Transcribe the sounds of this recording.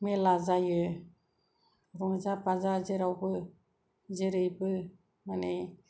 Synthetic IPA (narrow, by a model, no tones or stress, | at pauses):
melazajɯ | ɾɔŋzapazazeɾawbɯ | zeɾɯjbɯ | mane